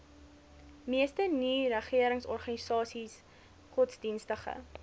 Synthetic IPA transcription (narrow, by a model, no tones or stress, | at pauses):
miəstəniːrəχiəɾəŋsɔrχɐnisɑːsis | χɔtsdinstəχə̰